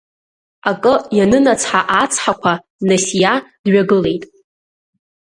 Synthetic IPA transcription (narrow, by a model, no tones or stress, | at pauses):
akʼɨjanɨnat͡sʰħaʔat͡sʰħakʷʰa | nasijad̥ɥaɡɨle̞jtʼ